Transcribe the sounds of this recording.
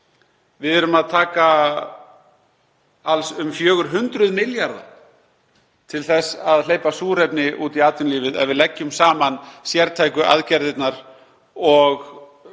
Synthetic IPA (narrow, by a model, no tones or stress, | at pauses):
vɪðɛːɾʏmaðt̪ʰaːka | alsʏmfjœːɣʏɾ̥ɦʏnt̪ɾʏðmɪljaɾða̰ | t̪ʰɪlθɛsːaðleːjpasuːɾepnɪʔuːt̪iaːt̪ʏnliːvɪðɛ̰ðvɪlɛcːʏmsaːmansjɛɾt̪ʰajkʏʔa̰ðcɛɾðɪt̪naɾ̥ | ɔɣ